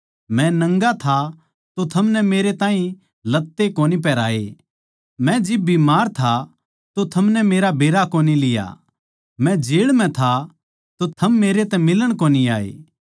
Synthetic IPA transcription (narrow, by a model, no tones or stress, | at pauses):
mɛ̃nɐ̃ŋɡat̪ʰa | t̪ot̪ʰɐmnɛmeːɾet̪ãːĩ | lɐt̪ːekoːnip̬ɛːɾaːḛ | mɛ̃d͡ʒɪbːimaːɾt̪ʰa | t̪ot̪ʰɐmnɛmeːɾabʱeːɾakoːnilɪja̰ | mɛ̃d͡ʒeːɽmɛ̃t̪ʰa | t̪ot̪ʰɐmːeːɾet̪ɛmɪləɽ̃koːniaːḛː